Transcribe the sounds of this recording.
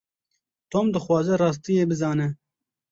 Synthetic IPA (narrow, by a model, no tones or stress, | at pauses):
t̪oːmd̪ɨxwɑːzɛrɑːs̬t̪ijeːbɨzɑːnɛ